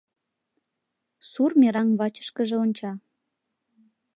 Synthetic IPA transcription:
surmeɾɑnβɑt͡ɕə̥ʃkəʒeonʲt͡ɕɑ

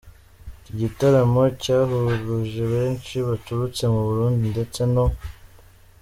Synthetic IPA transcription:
iɟitaɾamo̞caːɦuɡuʒeβe̞ːnʃiβatuɾut͡se̞muβuɾuːndinde̞t͡se̞no̞

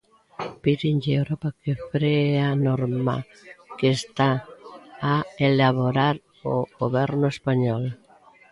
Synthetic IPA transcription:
piðinʎewɾɔpakefɾeanɔɾma̰ | kest̪aː | elaβoɾaɾ | o̰ɣoβɛɾnʊespaɲɔl

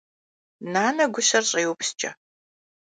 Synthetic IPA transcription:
naːnɐɡʷʊɕɐrɕʼeːwʊpʰst͡ʃʼɐ

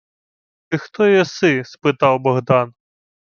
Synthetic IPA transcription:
t̪ɨxt̪ɔjɔsɨspɨt̪awbɐɣd̪an

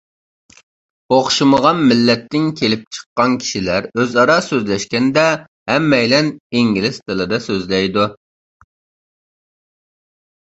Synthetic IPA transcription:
oχʃuməʁɑnmɪlːɛt̪ʰːɪŋkʲʰelɪp̚t͡ʃʰə̥qːɑnkʲʰi̥ʃilæɾøzɑɾɑsøzlɛʃkʲɛnd̪ɛ | hɛmːɛjlɛniŋɡʲilɪst̪ʰɨlˠɨd̪ɑsøzlɛjd̪u

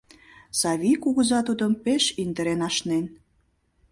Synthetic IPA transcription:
sɑβʲikuɣəzɑt̪ud̪əmpeʃind̪ə̆ɾenɑʃnen

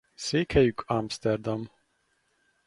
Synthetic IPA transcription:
seːkhɛjykʰamst̪ɛrd̪ɑm

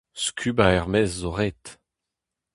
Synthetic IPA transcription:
skʲʰybaɛʁmɛzːoʁet̪

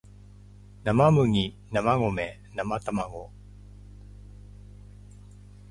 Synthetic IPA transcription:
namamɯŋi | namaŋome | namat̪amaŋo

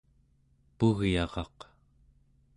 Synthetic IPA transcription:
puɣjɑʁɑ̰q

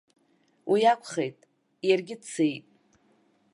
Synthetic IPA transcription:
wʔijakʷʰχejtʼ | jarɡʲɪdt͡sʰejtʼ

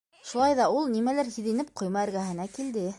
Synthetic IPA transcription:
ʃulˠɑjðɑulˠnimælæɾhiðĭnɘp̚qʰŏjmɑɘ̆ɾɡæɦɘ̆nækild̪ɘ

